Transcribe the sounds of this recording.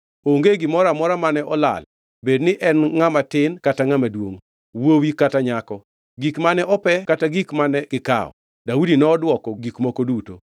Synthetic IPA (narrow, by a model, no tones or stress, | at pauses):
oŋɡeɡɪmɔɾamɔɾamanɛʔɔla̰l | bednɪʔɛnŋamatɪnkataŋamadwoŋ | wowikataɲakɔ | ɡikmanɛʔɔpɛkataɡikmanɛɡɪka̰ɔ̰ | daudinɔːdwɔkɔɡikmokoduto̰